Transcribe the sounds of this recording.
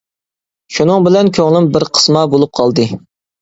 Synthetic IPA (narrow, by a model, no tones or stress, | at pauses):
ʃunɨŋbɪlɛnkʲʰøŋlˠɪmbɪɾqʰə̥smɑbolˠup̚qʰɑlˠd̪ɨ